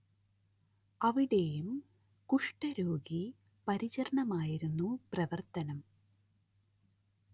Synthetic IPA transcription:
ɐʋiɽe̞jum | kuʂʈɐɾo̞ːɡi | pɐɾit͡ɕɐɾɳɐmaːjiɾunːuprɐʋɐrt̪ɐnɐm

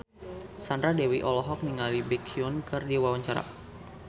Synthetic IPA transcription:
sandɾadewiʔɔlɔɦɔk̚niŋalibɛkʰiʊnkɨrdiwawaɲt͡ʃaɾa̰

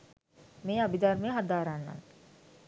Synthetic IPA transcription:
meːabid̪armejɦad̪aːɾanːa̰ŋ

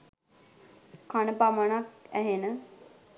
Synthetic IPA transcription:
kanəpamanakæɦenə

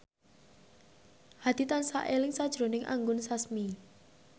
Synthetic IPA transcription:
had̪̥i̤t̪ansa̰ʔelɪŋsad̥ʒ̥ɾonɪŋʔa̰ŋɡʊnsasmi

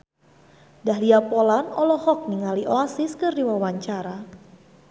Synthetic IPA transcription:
dahliapolanɔlɔhɔk̚niŋaliʔoasɪskɨrdiwawaɲt͡ʃaɾa

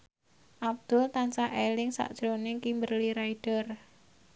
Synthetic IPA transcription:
ʔab̚d̪̥ʊlt̪ansaʔelɪŋsa̰ʔd̥ʒ̥ɾonɪkimbərliɾaiɖ̥ər

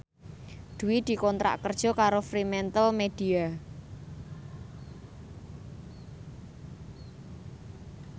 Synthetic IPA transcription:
d̪̥uwid̪̥i̤kɔnt̪ɾa̰ʔkərd̥ʒ̥ɔ̤kaɾofɾimɛnt̪əlmed̪̥ia

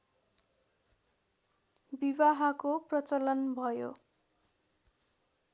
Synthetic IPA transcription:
biβaɦakoprʌt͡sʌlʌnbʱʌjo̰

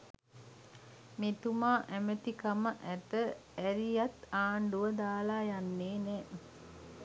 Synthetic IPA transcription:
met̪umaːʔæmət̪ikaməʔæt̪əæɾijat̪aːɳɖuʋəd̪aːlaːjanːeːnɛː

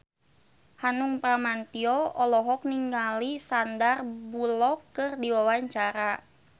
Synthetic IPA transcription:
hanuŋpɾamant̪iɔɔlɔɦɔk̚niŋɡalisandarbulɔkːɨrdiwawaɲt͡ʃaɾa

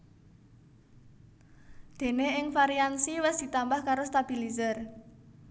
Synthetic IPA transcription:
d̪̥e̤neɪŋfaɾiansiwɪsd̪̥i̤t̪ambahkaɾost̪ab̥i̤lizər

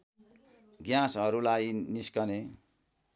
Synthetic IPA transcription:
ɡjãsʌɾulajniskʌne

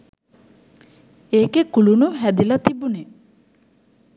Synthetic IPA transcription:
eːkekulunuɦæd̪ilɐt̪ibune

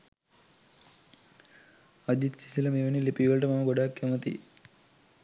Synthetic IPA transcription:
ɐd̪it̪si̥silɐmiʋɐnilepiʋɐlʈɐmɐmɐɡɔɖaːkːɐmɐt̪ḭ

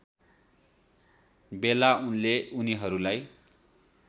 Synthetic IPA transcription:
belaunleuniɦʌɾulaj

